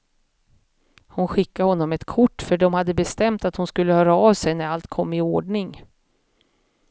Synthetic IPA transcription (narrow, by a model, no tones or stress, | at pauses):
hʊnɧɪkːahɔnːɔmɛt̪kʰʊʈːfœɖɔmhad̪ːəbɛst̪ɛmt̪at̪hʊnskɵlːəhœːɾaɑːvsɛjnæɾalt̪kʰɔmːɪoːɖɳɪŋ